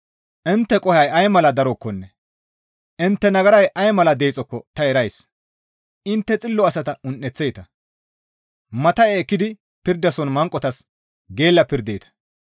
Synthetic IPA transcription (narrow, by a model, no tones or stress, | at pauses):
ʔɪnt̪ːɛkʼɔhɐjɐjmɐlɐd̪ɐɾɔkːɔnːɛ | ʔɪnt̪ːɛnɐɡɐɾɐjʔɐjmɐlɐd̪e̞jːt͡sʼɔkːɔt̪ɐɛɾɐjs | ʔɪnt̪ːɛt͡sʼɪlːɔɐsɐt̪ɐʊnʔːɛt͡sːejt̪ɐ | mɐt̪ɐeːkːɪd̪ɪ | pɪɾd̪ɐsɔnmɐŋkʼɔt̪ɐs | ɡe̞ːlːɐpɪɾd̪ejt̪ɐ̥